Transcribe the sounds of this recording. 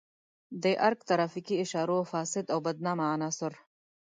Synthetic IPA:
d̪eʔaɾk̚t̪aɾɑːfikiɪʃɑːɾofɑːsɪd̪awbad̪̚nɑːmaːnɑːsʊɾ

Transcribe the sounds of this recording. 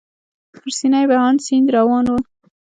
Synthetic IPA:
pʊɾsinajbahɑnsind̪ɾawɑnwu

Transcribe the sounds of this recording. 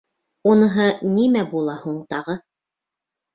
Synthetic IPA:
unɤ̆ɦɤnimæbulˠɑhuɴt̪ɑʁɤ

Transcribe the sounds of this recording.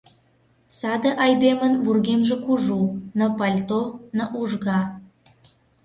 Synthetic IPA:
sɑd̪ĕʔɑjd̪emənvurɣemʒĕkuʒunəpɑlʲt̪onəʔuʒɣɑ

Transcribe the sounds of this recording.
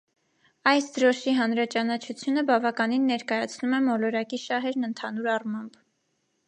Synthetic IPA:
ɑjsd̪əɾɔʃiɦɑnɾɑt͡ʃɑnɑt͡ʃʰut͡sʰjunəbɑvɑkɑninːɛɾkɑjɑt͡sʰnumɛmɔlɔɾɑkiʃɑɦɛɾnənt̪ʰɑnuɾɑrmɑmb

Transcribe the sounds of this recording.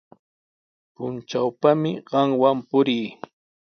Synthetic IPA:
pʊnt͡ʃawpamɪɢɑŋwampʊɾiː

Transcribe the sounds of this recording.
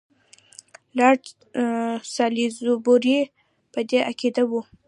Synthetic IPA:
lɑ | sɑlizuboɾi | pəd̪eakid̪awu

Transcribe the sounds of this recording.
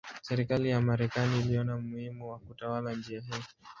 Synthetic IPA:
sɛɾikalijamaɾɛkaniːliɔnamuhimuwakutawaland͡ʒiaɦii

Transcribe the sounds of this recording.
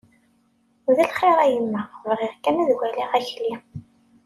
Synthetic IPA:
ðælχeɾˤæjəmːævʁɪʁkæmæðwæliʁæçli

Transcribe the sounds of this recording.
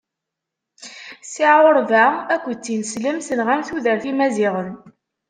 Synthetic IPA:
siʕʊɾvæækʷːət͡sːinsləmsənʁæmθuðəɾθimæziʁən

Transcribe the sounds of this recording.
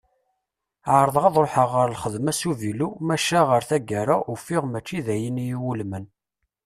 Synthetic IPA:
ʕɾˤəðˤʁɑðˤɾoħəʁːəɾlχəðmæsuvilumæʃaʁəɾθæɡæɾaufɪʁmæt͡ʃːiðæjənjiwulmən

